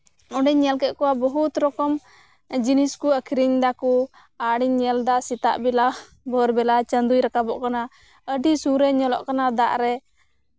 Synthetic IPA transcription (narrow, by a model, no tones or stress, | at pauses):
ɔɖɛɲːɛlkɛʔ̪̚kɔwabɔɦut̪ɾɔkɔm | d͡ʒiniskuəkʰiɾiɲd̪aku | aɽiɲːɛld̪asit̪a̰ʔbɛla | bɔɾbɛlat͡ʃənd̪ujɾakabɔʔkana | əɖisuɾɛɲɔlɔ̰ʔkanad̪aʔɾɛ